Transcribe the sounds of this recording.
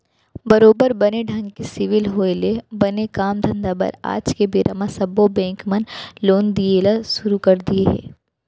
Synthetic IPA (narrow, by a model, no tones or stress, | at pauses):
bɐɾoːbəɾbɐneɖʱɐ̃ŋɡkesɪʋɪlɦoːelebɐnekaːmd̪ʱɐ̃nd̪abɐ̰ɾa̰ːd͡ʒkebeːɾʔamasɐbobɛ̃ːŋkmɐnloːnd̪ielaʃʊɾukɐɾd̪ieɦɛ̰̃ː